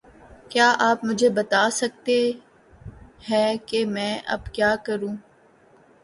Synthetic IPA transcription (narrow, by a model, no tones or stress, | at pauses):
kjaːʔaːpmʊd͡ʒʱebɐt̪aːsɐk̚t̪e | hɛ̃ːkemɛ̃ːʔɐ̰bkjaːkɐɾũː